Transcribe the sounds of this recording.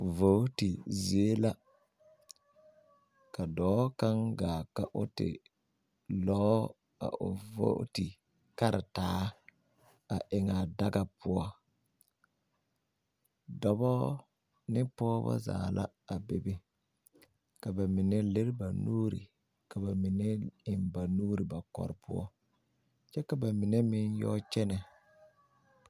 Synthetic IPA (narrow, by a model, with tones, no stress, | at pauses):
vo˦ti˨zi˨˦e˦la˦ | ka˨dɔː˨˦ka˦ŋɡaː˨ka˨ʔʊ˦tɪ̰˨ | lɔː˦ | a̰˨ʔʊ˨vo̰˦ti˨ | ka˦ɾɪ̰˨taː˨˦ | a˨ʔɪ˨ŋa˨da˦ɡa˨pʰʊ˦ɔ˦ | dɔ˨bɔ˦ | nɪ˦pɔː˦ba̰˦za̰ː˨lʔa̰˦ | a˨be˨be˦ | ka˨ba˨mɪ˨nɛ˦le˦ɾba˨nuː˦ɾḭ˨ | ka˨ba˨mɪ˨nɛ˦ɪ˨mba˨nuː˦ɾi˨ba˨kɔ̰˨ɾɪ˨pʰʊ̰˦ɔ̰˦ | t͡ʃɛ˦ka˨ba˨mɪ˨nɛ˦mɪ˦njɔ̰˦t͡ʃɛ˦nɛ˨